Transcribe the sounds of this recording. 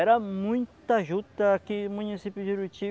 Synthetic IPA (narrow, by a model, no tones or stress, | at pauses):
ɛɾamũj̃t̪aʒut̪aːkimunisipjʊʒeɾut͡ʃi